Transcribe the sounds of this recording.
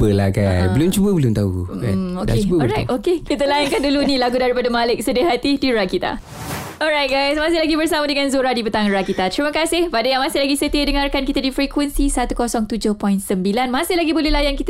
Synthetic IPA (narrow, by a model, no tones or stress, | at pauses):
pəlaɡajsbəlʊmt͡ʃubəbəlʊmt̪auaodkeubɔɾajtokekit̪əlajankandulunĩlaɡudaɾipadəmalɪk̚sədəɦat̪ihdiɹakit̪a̰ | ɔɹajt̚ɡajsmasɪhlaɡibərsamadəŋãnzoɾadipət̪aŋɾakit̪at̪ɾiməkasɪhpadajaŋmãsɪhlaɡisət̪iadəŋarkankit̪adifɾikwənsisat̪ukɔsɔŋt̪ud͡ʒʊhpɔjnsəmbilanmasɪhlaɡibolɛhlajankit̪